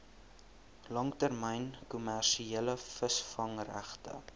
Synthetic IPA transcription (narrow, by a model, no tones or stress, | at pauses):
lɐŋtærməjnkumærʃieləfəsfɐŋræ̰χtə̰